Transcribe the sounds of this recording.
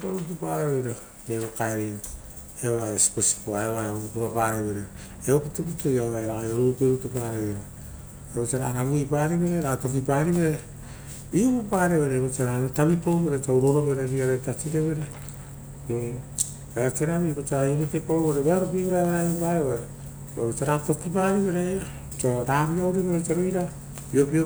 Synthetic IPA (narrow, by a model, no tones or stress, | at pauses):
poɾut̬upaɾeβeɾo | neβokaeɾeo | eβaesi̥posi̥poaeβaeoputuɾopaɾeβeɾe | eopitup̬itojaaeɾajoɾuɾupeɾutupaɾeβeɾo | eβot͡ʃaɾaɾaβuipaːɾiβeɾeɾato̞kipaɾiβeɾe | bipopaːɾeβeɾeβot͡ʃaɾaɾotabipowβeɾet͡ʃauɾoɾoβeɾeɾiaɾetat͡ʃiɾeβeɾe | eat͡ʃeɾaβibot͡ʃaɾaiɾetekoɾoβoɾeβeaɾopiβoɾaβeɾajopaeβeɾe | oβot͡ʃaɾato̞kipaːɾiβeɾeo | t͡ʃoɾaβiawɾiβeɾet͡ʃaɾojɾa | piopio